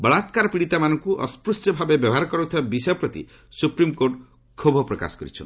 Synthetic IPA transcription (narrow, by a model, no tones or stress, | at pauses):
bɔɭat̪kaɾɔpiɽit̪amanɔŋkuʔɔ̰spɾusʈjɔbʱabebjɔbɔɦaɾɔkɔɾut̪ʰibabisjɔpɾɔt̪ḭ | supɾimkoɾʈ | kʰobʱɔpɾɔka̰sɔ̥kɔɾit͡ʃʰɔn